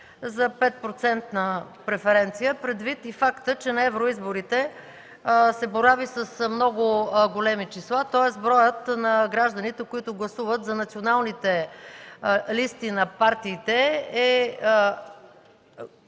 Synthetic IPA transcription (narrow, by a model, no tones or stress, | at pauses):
zɐpɛt̪̚pɾot̪sɛnt̪nə | pɾɛfɛɾɛnt̪sijəpɾɛd̪vit̪ifakt̪ət͡ʃɛnɐɛvɾoizboɾit̪ɛ | sɛboɾavisəsmnɔɡʊɡolɛmit͡ʃislˠat̪ɔɛsbɾɔjət̪nɐɡɾaʒd̪ənit̪ɛkoit̪ʊɡlˠɐsuvət̪zɐnɐt̪sionalˠnit̪ɛ | list̪inɐpaɾt̪iːt̪ɛɛ